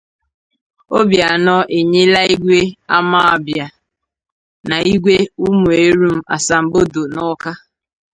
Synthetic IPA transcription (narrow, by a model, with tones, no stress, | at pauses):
o˦bja˨nɔ˦ʔe˨ɲe˦la˦i˦ɡʷe˦a˦ma˦a˨bja˨ | na˨i˦ɡʷe˦u˦mu˨e˦ɾu˦m̩˦a̰˨sa˨m̩˨bo˦do˨nɔ˦ka˦